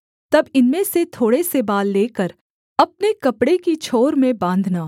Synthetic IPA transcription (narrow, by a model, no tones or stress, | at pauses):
t̪ɐbɪnmẽset̪ʰoːɽesebaːlːeːkəɾ | ɐp̚nekɐpɽekit͡ʃʰoːɾmẽbãːnd̪ʱnaː